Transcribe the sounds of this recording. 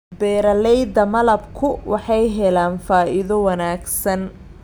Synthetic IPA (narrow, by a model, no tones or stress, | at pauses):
bɛːɾɐlɛjd̪ɐmɐlɐbkʰʊwɑħɑjɦɛlaːnfaːʔɪðɔwɑnaːɡsɐn